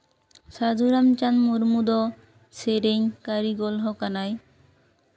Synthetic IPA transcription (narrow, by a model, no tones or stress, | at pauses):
sad͡ʒuɾamt͡ɕanmuɾmud̪ɔ | seɾeɲkaɾiɡɔlɦɔkanaj